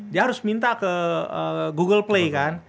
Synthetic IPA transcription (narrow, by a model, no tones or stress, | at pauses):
diaɦaɾʊsmint̪akəəɡuɡəlplekan